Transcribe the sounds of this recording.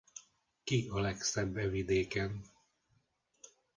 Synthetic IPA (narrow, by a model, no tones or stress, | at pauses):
kiɒlɛksɛbːɛvid̪eːkɛn